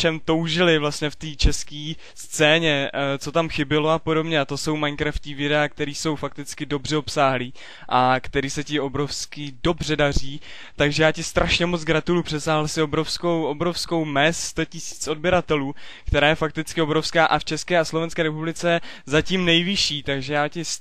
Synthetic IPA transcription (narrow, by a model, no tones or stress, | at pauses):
t͡ʃɛmt̪o̞wʒɪlɪvlast̪ɲɛft̪iːt͡ʃɛskiː | st͡sɛːɲɛt͡so̞t̪amxɪbɪlo̞apodo̞bɲɛat̪o̞so̞wmajŋkɾafciːvɪdɛaːk̚t̪ɛɾiːso̞wfak̚t̪ɪt͡skɪdo̞brɛo̞psaːɦliː | ʔakt̪ɛɾiːsɛcɪo̞bɾo̞fskɪdo̞br̝ɛdar̝iː | t̪aɡʒɛjaːcɪst̪ɾʔaʃɲɛmot͡sɡɾat̪ulujupr̥ɛsaːɦl̩sɪobɾo̞fskowʔo̞bɾo̞fsko̞wmɛsst̪o̞cɪsi̥ːt͡so̞d̚bjɛɾat̪ɛluːkt̪ɛɾaːjɛfak̚t̪ɪt͡skɪo̞bɾo̞fskaːʔaft͡ʃɛskɛːaslovɛnskɛːɾɛpublɪt͡sɛzaciːmnɛjvɪʃiːt̪aɡʒɛjaːcɪs